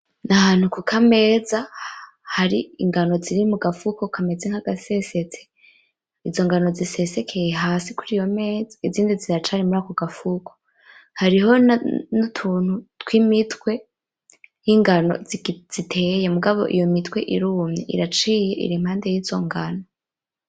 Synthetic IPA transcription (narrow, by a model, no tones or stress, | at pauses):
nahaːn̥hukukʰame̞ːza | haɾiḭŋɡano̞ziɾimuɡafukokʰame̞zeŋ̥haɡ̥ase̞se̞t͡se̥ | izo̞ŋɡano̞zise̞se̞kʰe̞jeɦaːsikuɾijo̞me̞ːzaiziːndiziɾat͡ʃaɾimuɾaːkoɡ̥afukʰo̥ | haɾiɦo̞nutʰuːn̥hutwimitwe̞ | jiŋɡano̞̰zz̥itʰejemuɡaβo̞̰ʔḭjomitwe̞ʔiɾuːmɲḛʔḭɾat͡ʃiːje̞ʔḭɾiːm̥haːnde̞jiːzo̞ŋɡano̞